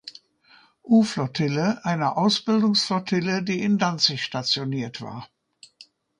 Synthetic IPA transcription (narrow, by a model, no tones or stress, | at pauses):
ʔuːflɔtʰɪləʔaɪnɐʔaʊsb̥ɪldʊŋsflɔtʰɪlədiːɪndant͡sɪçʃtat͡sjoniːɐtv̥a̰ːɐ